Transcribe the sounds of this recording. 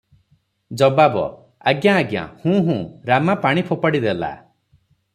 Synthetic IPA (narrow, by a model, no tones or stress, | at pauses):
d͡ʒɔbabɔ̰ | aɡjaːɡja̰hũːɦũːɾamapaɽ̃ipʰopaɽid̪ela̰